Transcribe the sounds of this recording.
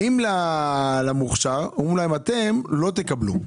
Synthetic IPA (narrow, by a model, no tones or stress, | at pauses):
imlalamuχʃaʁoimlaimat̪e̞mlo̞t̪̬ekablṵ